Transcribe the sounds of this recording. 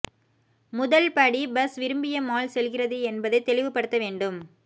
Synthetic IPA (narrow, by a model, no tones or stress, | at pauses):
mʊðɐlpɐɽibɐsʋɪɾɯmbɪjɐmaːlsɛlɣɪrɐðɯɛnbɐðɐɪt̪ːɛɭɪʋɯpːɐɽɯt̪ːɐʋeːɳɖɯm